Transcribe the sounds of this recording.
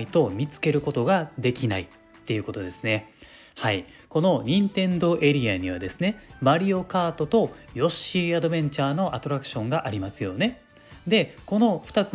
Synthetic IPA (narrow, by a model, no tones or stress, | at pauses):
it̪o̞mʲit͡sɨ̥ke̞ɾɯ̟ko̞t̪o̞ɡad̪e̞kʲinai | t̪ːe̞jiɯ̟ko̞t̪o̞d̪e̞sɨne̞ | hai | ko̞no̞ɲ̟ĩnt̪ẽ̞nd̪o̞ʔe̞ɾʲiaɲ̟iβ̞ad̪e̞sɨne̞baɾʲio̞kaːt̪o̞t̪o̞jo̞ɕiad̪o̞bẽ̞ɲ̟t͡ɕaːno̞ʔat̪o̞ɾakɯ̟̥ɕõ̞ŋɡaʔaɾʲimasɨjo̞ne̞ | d̪e̞ko̞no̞ɸɯ̟̥at͡sɨ